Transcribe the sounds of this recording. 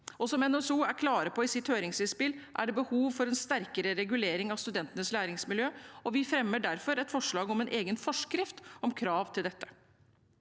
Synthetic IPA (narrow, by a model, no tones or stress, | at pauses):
ʔɔsɔmɛnoɛsuːæɾkʰlɑːɾəpʰɔɪsɪt̪høːɾɪŋsɪspɪlʔæ̰ɖɛbəhuːʋfɔɾɛnst̪æɾkəɾəɾɛɡʉleːɾɪŋɑʋst̪ʉd̪ɛnt̪ənəslæːɾɪŋsmɪljøːɔʋɪfɾɛmːəɖæɾfɔɾɛt̪fɔʂɭɑːɡɔmɛnʔeːɡənfɔʂkɾɪft̪ɔmkʰɾɑːʋt̪ʰɪld̪ɛt̪ːə̥